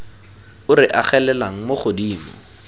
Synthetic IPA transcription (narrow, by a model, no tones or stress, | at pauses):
ʊrɪʔaχɛlɛlaŋ̩moχʊdiːmɔ